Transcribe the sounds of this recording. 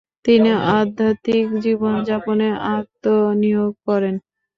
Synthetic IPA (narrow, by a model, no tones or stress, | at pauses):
t̪iniʔad̪ʱːat̪ikd͡ʑibond͡ʑaponeʔaɾt̪onijoɡ̚kɔɾen